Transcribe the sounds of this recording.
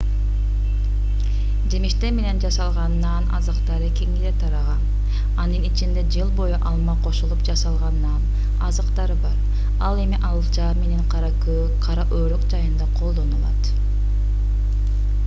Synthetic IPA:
d͡ʒe̞miʃt̪eɾme̞ne̞nd͡ʒɑsɑlˠʁɑnːɑnʔɑ̰zɯqt̪ɑɾɯkeŋilet̪ʰɑɾɑʁɑn | ɑnɯnit͡ʃind̪e̞d͡ʒɯlˠbo̞juʔɑlˠmɑqʰo̞ʃulˠupd͡ʒɑsɑlˠʁɑnːɑn | ɑzɯqt̪ɑɾɯbɑɾ | ɑlˠe̞miʔɑlˠɯt͡ʃɑːmeniɴqɑɾ | qʰɑɾɑʔøːɾoqd͡ʒɑjɯnd̪ɑqʰo̞lˠd̪o̞nulˠɑt̪

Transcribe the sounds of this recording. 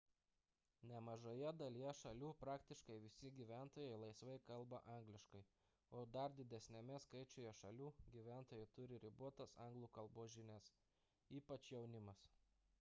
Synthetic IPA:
nʲɛmɐʒoːjɛd̪ɐlʲijɛʃɐlʲuːpɾɑːkt̪ʲɪʃkɐɪʋʲɪsʲɪɡʲiːʋʲæˑnt̪oːjɛɪlˠɐɪsʋɐɪkɐlˠbɐʔɑˑŋɡlʲɪʃkɐɪ | oːd̪ɐɾd̪ʲɪd̪ʲɛsʲnʲɛmʲɛskɐɪt͡ʃʲoːjɛʃɐlʲuːɡʲiʋʲæˑnt̪oːjɛɪt̪ʊɾʲɪɾʲɪbuɔt̪ɐsɑˑŋɡlˠuːkɐlˠboːʒʲɪnʲɛs | iːpɐt͡ʃjɛʊnʲɪmɐs

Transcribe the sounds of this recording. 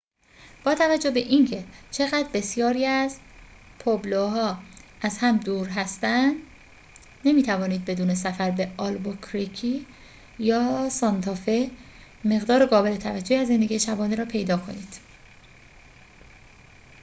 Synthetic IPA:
b̥ɒːt̪ʰævæd͡ʒːo̞hbe̞ʔincʰe̞t͡ʃʰe̞ɣæːd̪ɾbe̞sijɒːɾiːæz | pʰobloɦɒːʔæzhæmd̪uːɾɦæst̪ænd̪ | ne̞miːt̪ʰævɒːniːd̪̚be̞d̪uːnesæfæɾbe̞ɒlbokʰɾicʰi | jɒːsɒnt̪ʰɒfe | me̞ɣd̪ɒːɾeɡɒːbe̞let̪ʰævæd͡ʒːoiæzːe̞nd̪e̞ɟiːjeʃæbɒːneɾɒːpʰe̞jd̪ɒːkʰo̞̰niːd̪̥

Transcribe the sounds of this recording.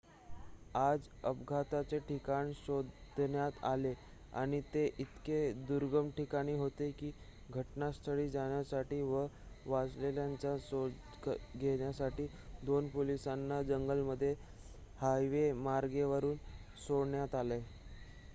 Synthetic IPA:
ad͡zəpɡʱat̪at͡seʈʰikaɳɕod̪d̪ɳjat̪a̰le | a̰ɽ̃it̪eʔit̪ked̪uɾɡəmʈikaɽ̃iːɦot̪ekiː | ɡʱəʈnast̪ʰəɽiːd͡zaɽ̃jasaʈiːʋəʋad͡zleljaɲt͡ɕaso | ɡʱeɽjasaʈiː | d̪onpolisanːad͡zəŋɡəlməd̪ʱːje | hajʋemaɾɡeʋəɾuːn | soɽɳjat̪ale

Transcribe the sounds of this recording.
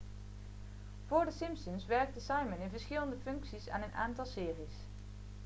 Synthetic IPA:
v̥ʊːɹdəsɪmpsənsʋɛɹk̚təsɑjmənɪnvəɹsχɪləndəfɵŋksisa̰ːnənʔa̰ːntɑlˠsɪːris

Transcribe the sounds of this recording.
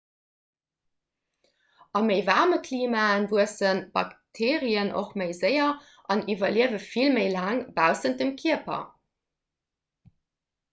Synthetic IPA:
ʔɑməɪvaʁməkʰliːmaːənvuəsənb̥ɑ̰ktʰeːʁiəno̰χməɪzəɪɐ | ʔɑnivɐliəvəfilməɪlaːŋbaʊsənt̚d̥əmkʰiəpʰɐ̰

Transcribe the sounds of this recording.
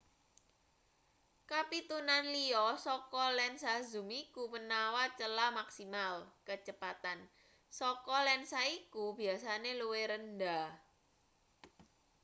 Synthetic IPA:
kapit̪unanliɔsɔkɔlɛnsazumikumənawat͡ʃəlamaksimalkət͡ʃəpat̪an | sɔkɔlɛnsaikub̥i̤asaneluweɾənda

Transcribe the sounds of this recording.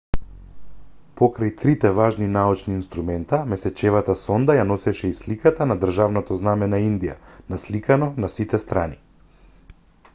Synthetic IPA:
pɔkɾajt̪ɾit̪ɛvaʒninaut͡ʃniːnst̪ɾumɛnt̪amɛsɛt͡ʃɛvat̪asɔnd̪ajanɔsɛʃɛislikat̪anad̪r̩ʒavnɔt̪ɔznamɛnaind̪ija̰naslikanɔnasit̪ɛst̪ɾani

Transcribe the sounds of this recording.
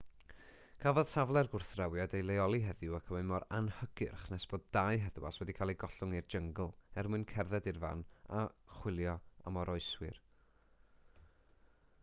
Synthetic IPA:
kʰavɔð̥tʰavlˠɛrɡʊrθrawjadejlˠejɔlˠiɦɛðɪwakʰəmɨmɔɾanhəɡ̥ɪrχnɛsb̥oːddajɦɛðwa̰swɛdikʰalˠiɡɔɬʊŋird͡ʒəŋɡlˠɛrmɨɨnkʰɛrðɛdirva̰naχwɪlˠjɔa̰mɔɾɔɨswɪ̰r

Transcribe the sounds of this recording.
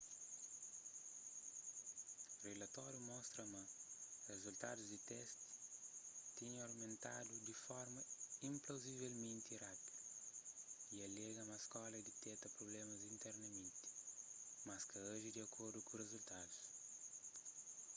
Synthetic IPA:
relɐt̪ɔɾjumɔst̪ɾɐmɐrezult̪a̰d̪uzd̪it̪ɛst̪i̥ | t̪iɲoɾmẽnt̪a̰d̪ud̪ifɔɾmɐĩmplowzivelmẽnt̪irapid̪ɐ | iɐlɛɡɐmɐskɔlɐd̪it̪ɛt̪ɐpɾoblemɐzĩnt̪ɛɾnɐmẽnt̪i̥ | mɐskɐaʒid̪iɐkʰoɾd̪ukurezult̪ad̪us

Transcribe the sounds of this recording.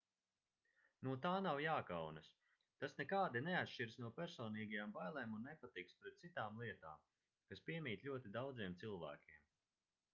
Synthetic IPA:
nuɔt̪aːnawjaːkawnɐs | t̪asnɛkaːd̪inɛat̪ʃt͡ʃiɾsnuɔpʲæɾsɔːniːɡajaːmbajlˠɛːmunːɛpat̪ikspɾɛt̪̚tsit̪aːmlˠiɛt̪a̰ːm | kaspʲiɛmʲiːt̪lʲuɔt̪id̪awd̪ziɛmt̪silˠvæ̰ːkʲiɛm

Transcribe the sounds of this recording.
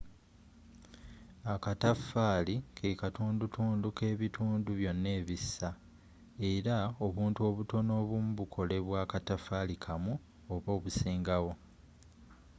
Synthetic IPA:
akatafːaːlikʰekatuːndutuːnduke̞ːβituːnduβjo̞nːe̞ːβisːa | e̞ɾao̞βuːntuo̞ːβuto̞no̞ːβumuβukʰo̞le̞βwaːkatafalikʰamu | oβo̞ːβusiːŋɡawo̞

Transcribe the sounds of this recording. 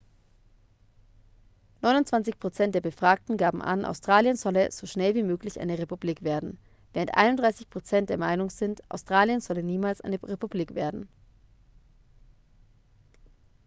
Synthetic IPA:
nɔʏnʊntt͡sv̥ant͡sɪçpʁ̥ot͡sɛnt̚d̥eːɐbəfʁ̥aːk̚tn̩ɡaːbm̩ʔa̰nʔa̰ʊstʁ̥aːljənz̥ɔləz̥oːʃnɛlviːmøːklɪçʔa̰ɪnəʁepubliːkv̥eːɐdn̩ | v̥eːʁəntʔa̰ɪnʊndʁaɪsɪçpʁ̥ot͡sɛnt̚d̥eːɐmaɪnʊŋzɪntʔa̰ʊstʁ̥aːljənz̥ɔləniːmaːlsʔa̰ɪnəʁepubliːkv̥eːɐdn̩

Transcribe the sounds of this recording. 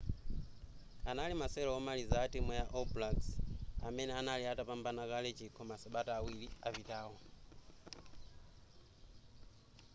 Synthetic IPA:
analimasɛlɔɔmalizaːtimɔjaʔɔplaksamɛnɛanaliatapambanakalɛt͡ʃikʰɔmasaɓataːwiliavitaːɦɔ

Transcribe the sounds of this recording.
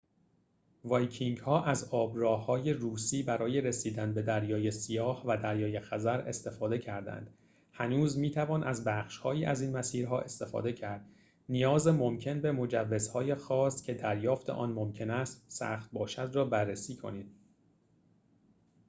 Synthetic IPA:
vɒjcʰiŋɡhɒːʔæzɒːbɾɒːhːɒːje̞ruːsiːbæɾɒːje̞ɾesiːd̪ænbe̞d̪æɾjɒːjesijɒːhvæd̪æɾjɒːje̞xæzæɾe̞̰st̪e̞fɒːd̪e̞cʰæɾd̪æ̰nd̪̥ | hænuːzmiːt̪ʰævɒːnʔæzbæχʃhɒːiːʔæziːnmæsiːɾɦɒːʔe̞st̪e̞fɒ̰ːd̪e̞cʰæɾd̪̥ | nijɒːze̞mo̞mcʰe̞nbe̞mo̞d͡ʒævːe̞zhɒːje̞xɒːscʲʰe̞d̪æɾjɒːft̪ʰeʔɒ̰ːnmo̞mcʰe̞næst̪sæ̰ːxχt̪̚bɒːʃæd̪rɒːbærːesiːkʰo̞̰niːd̪̥̚

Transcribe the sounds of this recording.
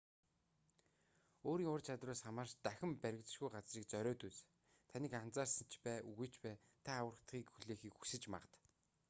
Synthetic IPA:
oːɾiːŋʊrt͡ɕʰat̪raːsχamaːrʃt̪æxʲɪ̆mpæɾʲɪ̆kt͡s̆ʃɡujɢat͡sriːk̚t͡sœɾʲɔːt̪ut͡s | t̪ʰaniːkan̥t͡saːrsə̆n̥t͡ɕpæːʔuɣŭjʰt͡ɕpæː | t̪ʰaːwə̆r̆t̪χiːkxuɮeːxiːkxu̥sɘ̆t͡ɕma̰ʁə̆t̪

